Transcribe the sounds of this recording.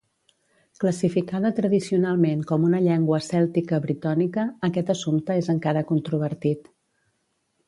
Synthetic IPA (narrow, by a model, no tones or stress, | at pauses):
kləsifikaðət̪ɾəðisiunalˠmeŋkɔmunəʎɛŋɡwəːsɛlˠt̪ikəβɾit̪anikəːkɛt̪əsumt̪əezəŋkaɾəkunt̪ɾuβəɾt̪it̪